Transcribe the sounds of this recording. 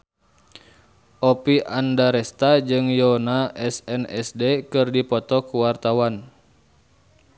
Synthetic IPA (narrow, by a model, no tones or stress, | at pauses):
ʔɔpiʔandaɾɛst̪ad͡ʒɨŋjɔnaʔɛsɛnɛsdɛkɨrdipɔt̪ɔkuwart̪awan